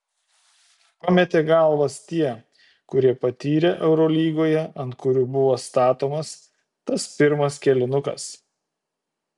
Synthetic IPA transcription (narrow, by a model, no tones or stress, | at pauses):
pɐmʲɛt̪ʲeːɡɐˑlˠʋɐst̪ʲiɛ | kʊɾʲiɛpɐt̪ʲiːɾʲeʔɛʊɾɔlʲiːɡoːjɛɐnt̪̚kʊɾʲuːbʊʋoːst̪ɑːt̪oːmɐs | t̪ɐspʲɪɾmɐskʲɛlʲɪnʊkɐ̰s